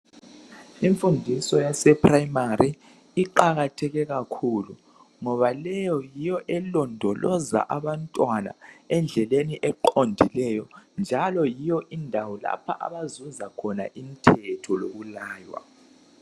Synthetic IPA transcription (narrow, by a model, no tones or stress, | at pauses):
iɱfundʱisɔjasɛpʰʼraimari | iǃaɣatʰɛɣɛɣakʰulu | ŋɔβalɛjɔjijɔʔɛlɔndʱɔlɔza̰ʔaβantʼwana̰ɛnd͡ɮʱɛleniʔɛǃondʱilɛjɔnd͡ʒʱalɔjijɔʔindʱawɔla̰pʰa̰ʔa̰βazuzakʰɔna̰ʔimitʰɛtʰɔlo̰ɣulaːjwa̰